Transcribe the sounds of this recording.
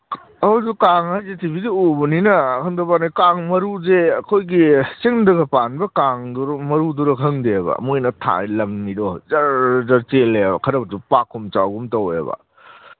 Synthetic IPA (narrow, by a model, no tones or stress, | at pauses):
ɐwzukaŋhajzetʰibidiubɐninɐːkʰɐŋdɐpanakaŋmɐɾuzeɐkʰojɡisiŋdɐɡɐpanbɐkaŋdɾmɐɾuduɾɐkʰɐŋdebɐ̰mojnɐtʰa̰jlɐmnidɔzɐɾzɐɾt͡ʃelːabɐkʰɐɾɐbɐtupakʰɔmt͡ʃawɡumtɐwḛbɐ̰